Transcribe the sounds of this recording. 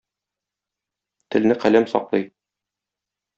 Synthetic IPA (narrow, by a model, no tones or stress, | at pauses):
t̪ɘ̆lnɘqælæmsɒ̰qlˠɤj